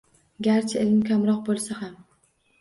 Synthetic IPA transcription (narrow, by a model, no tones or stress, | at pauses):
ɡʲaɾt͡ʃʰaelɪmkʲʰamɾɒq̚bolˠsaham